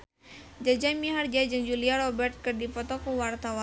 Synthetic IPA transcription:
d͡ʒad͡ʒamiɦard͡ʒad͡ʒəŋd͡ʒuliaɾɔbɛrt̪̚kɨrdipɔt̪ɔkuwart̪awa

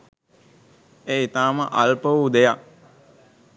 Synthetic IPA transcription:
eːit̪aːməʔalpəʋud̪eja

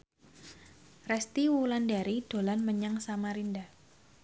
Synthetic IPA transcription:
rɛst̪iwulandaɾid̥olanməɲaŋsamaɾinda

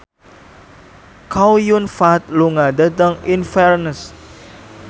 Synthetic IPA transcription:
kawjunfat̪̚luŋadət̪əŋinfɛrnəs

